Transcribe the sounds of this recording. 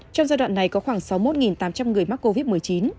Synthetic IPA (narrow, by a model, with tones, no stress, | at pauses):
t͡ɕɔ˧wŋ͡mzaː˧jɗwa̰ː˧˨nːa˨˩jkɔ˨˦xwaː˧˩ŋsa˨˦wmo˦˥t̚ŋi˨˩nt̪aː˨˦mt͡ɕa˧mŋɨ˨˩əjma˦˥t̚kːo˧vi˦˥t̚mɨ˨˩əjt͡ɕi˨˦n